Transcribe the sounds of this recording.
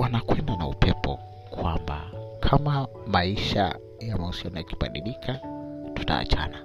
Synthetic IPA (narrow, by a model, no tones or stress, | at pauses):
wanakwɛndanaupʰɛpʰɔ | kʰwamba̰kʰama | maiʃa̰ | jamausianɔjaki̥ɓa̰ɗilikʰatu̥ta̰ːt͡ʃa̰na